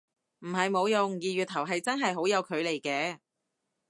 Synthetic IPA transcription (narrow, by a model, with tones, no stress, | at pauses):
m̩˨˩ɦɐ˨jmo˨˧wjʊ˨ŋjiː˨ɥyː˨t̪ʰːɐ˨˩wɦɐ˨jt͡sɐ˥nɦɐ˨jɦo˨˥wjɐ˨˧wkʰɵ˨˧ɥle˨˩jkɛː˧˥